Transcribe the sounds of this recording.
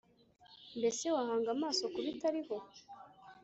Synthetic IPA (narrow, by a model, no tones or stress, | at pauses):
mbe̞se̞wahaːŋɡamaːso̞kuβitaɾiho̞